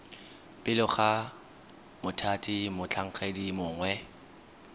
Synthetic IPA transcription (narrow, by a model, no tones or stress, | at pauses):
pʼɪlʊχa | mʊtʰatʼimʊt͡ɬʰaŋ̩χadimʊːŋwɛ